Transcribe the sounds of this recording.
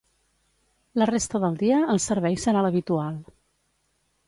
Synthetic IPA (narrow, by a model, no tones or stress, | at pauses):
lərest̪əðəlˠd̪iəːlˠsəɾβɛjsəɾaləβit̪ualˠ